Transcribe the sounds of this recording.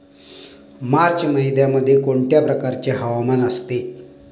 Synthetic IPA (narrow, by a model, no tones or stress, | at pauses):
maɾt͡ɕməɦjd̪jaməd̪ʱːjekoɳʈjapɾəkaɾt͡ɕeɦəʋamanəst̪e